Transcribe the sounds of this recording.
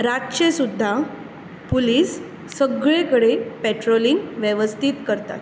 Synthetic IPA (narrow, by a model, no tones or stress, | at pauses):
ɾatɕesud̪ʱːa | puliːsː | əɡɭekəɽepeʈɾoliŋɡʋjeʋəst̪ʰiːt̪kəɾt̪a̰t̪